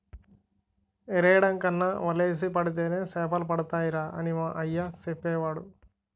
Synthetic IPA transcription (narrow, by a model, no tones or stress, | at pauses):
eɾɛjɽɐŋkɐnːɐʋɐleːs̬ipɐɽit̪̬eːne̞ːsɛːpɐlɐpɐɽut̪aːjiɾaːʔɐnimaːʔɐjːat͡ʃepːɛːʋaːɽu